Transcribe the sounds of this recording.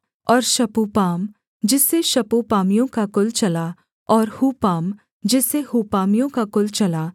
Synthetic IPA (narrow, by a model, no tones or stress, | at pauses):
ɔːɾʃɐpupaːm | d͡ʒɪsːeʃɐpupaːmijõkakʊlt͡ʃɐla | ɔːɾhuːpaːm | d͡ʒɪsːehuːpaːmijõkakʊlt͡ʃɐlaː